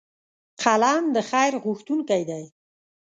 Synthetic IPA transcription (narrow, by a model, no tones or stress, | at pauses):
qʰalɑnd̪əxajɾɣʊxt̪unkajd̪aj